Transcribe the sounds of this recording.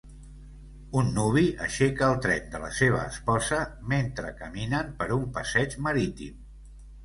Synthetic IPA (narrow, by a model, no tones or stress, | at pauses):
unːuβ̞iʔə̰ʃekəəlˠt̪ɾɛnd̪ələ̰seβ̞ə̰ːspɔzəment̪ɾəkəminəmpəɾumpəsɛt͡ʃməɾit̪ḭm